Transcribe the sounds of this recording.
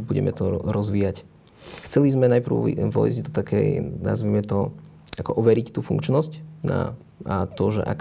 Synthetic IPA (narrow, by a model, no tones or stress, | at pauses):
buɟɛ̰mɛ̰t̪ɔɾɔzʋiːjac | xt͡sɛlizmɛnajpr̩ʊʋɔ̰ḭzɟd̪ɔt̪akʰɛ̰jna̰zʋimɛt̪ɔ | ʔakɔʔɔʋɛɾict̪uːfuŋkt͡ʃnɔscna̰ | at̪ɔʒɛ̰ʔa̰k